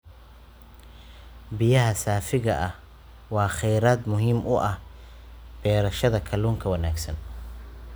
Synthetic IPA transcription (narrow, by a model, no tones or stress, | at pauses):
bɪjɐɦɐsaːfɪɣɐʔɐh | wɑːχɛjɾaːd̪mʊɦiːmʊʔɐh | b̥ɛːɾɐʃɐðɐkʰɐluːŋkʰɐwɐnaːɡsɐ̰n